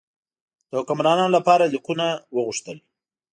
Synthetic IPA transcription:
d̪̥əʊkamɾɑnɑnolapɑɾaliqunawəɣuʂt̪əl

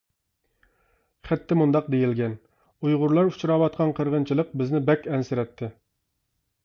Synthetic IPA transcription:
χæt̪ːɪmund̪ɑq̚d̪ejilɡʲɛn | ujʁʊɾlˠɑɾut͡ʃʰɾɑːwɑt̪̚qʰɑnqʰəɾʁənt͡ʃʰilˠəq̚bɪznɪbɛkʲɛnsɪɾɛt̪ʰːɪ

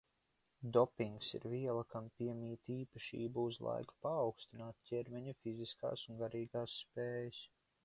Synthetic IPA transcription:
d̪ɔpiŋɡsḭɾviɛlˠakʰampʲiɛmʲiːt̪iːpaʃḭːbuuzlˠa̰jku̥paːwkst̪inaːt̪̚cʲɛɾmɛɲufiziska̰ːsunɡaɾiːɡaːsːpeːjas

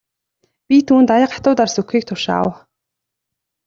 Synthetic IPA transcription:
pʲit̪ʰuːnt̪ajə̆qḁt̪ʊːt̪arsukxiːk̚t̪ʰʊʃa̰w

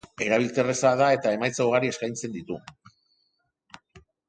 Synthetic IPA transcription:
e̞ɾaβ̞ilt͡s̪e̞re̞saðae̞t̪ae̞majt͡saoɣaɾie̞skajnt͡se̞nd̪it̪u

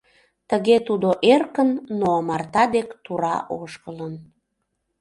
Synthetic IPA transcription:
t̪əɣet̪ud̪oʔerkənːomɑrt̪ɑd̪ekt̪uɾɑ̰ʔoʃkələn

